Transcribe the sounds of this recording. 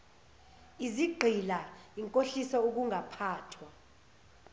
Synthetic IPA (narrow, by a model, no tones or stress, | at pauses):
iziɡ͡ǃʱilaiŋkʼoɬisɔuk̬uŋʱapʰaːtʰwa